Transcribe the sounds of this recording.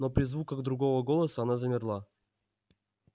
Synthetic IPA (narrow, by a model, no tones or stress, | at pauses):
nopɾʲɪzvukəɣd̪ɾʊɡo̞vəɡo̞lˠəsəɐnazəmʲɪrlˠa